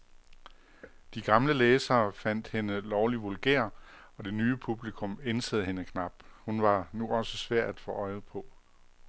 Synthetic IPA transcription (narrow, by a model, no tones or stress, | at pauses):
d̥iɡ̥ɑ̈mləleːsɐːfæn̰d̥he̝nəlɒʊliʋolɡ̥ḛːɐ̰ | ɒ̽d̥e̝nyːəpʰub̥likʰɔ̽mensəð̞̩ˠɦe̝nəkʰnɑ̈b̥hunʋɑ̈nuʔɒ̽səsʋæɐ̰d̥æd̥fɔ̰̽ːʔɒ̽ɪð̩ˠpʰɒ̽